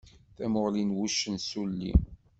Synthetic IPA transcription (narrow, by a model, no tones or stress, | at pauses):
θæmʊʁlinwuʃːənsulːḭ